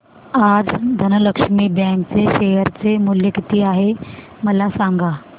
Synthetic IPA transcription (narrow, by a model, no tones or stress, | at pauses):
ad͡zd̪ʱənələkʂmiːbɛ̃kt͡seɕejəɾt͡semuljəkit̪iːaɦe | məlasaŋɡa